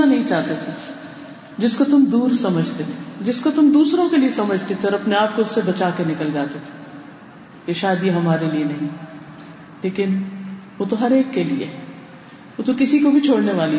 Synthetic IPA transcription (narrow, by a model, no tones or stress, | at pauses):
anɐɦĩt͡ʃaːɦt̪et̪ʰe | d͡ʒɪskot̪ʊmd̪uːɾsɐməd͡ʒʱt̪et̪ʰe̥d͡ʒɪskot̪ʊmd̪uːsɾõkeliesɐməd͡ʒʱt̪et̪ʰeɔːɾɐpneaːp̚koʊsːebɐt͡ʃaːkenɪkəld͡ʒaːt̪et̪ʰe̥ | jeʃaːd̪iɦɐmaːɾelienɐɦĩ | leːkɪnʋoːt̪oɦɐɾeːkːeliḛ | ʋoːt̪okɪsikobʱit͡ʃʰoːɽneʋaːli